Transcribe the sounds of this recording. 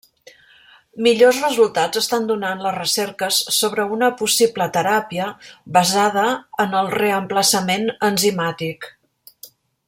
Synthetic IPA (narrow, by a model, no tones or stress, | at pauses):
miʎozrəzulˠt̪ad͡zəst̪and̪unanləzrəsɛrkəsːoβ̞ɾəunəpusiblət̪əɾapiəβəzaðəːnəlˠrəəmpləsəmenənzimat̪ik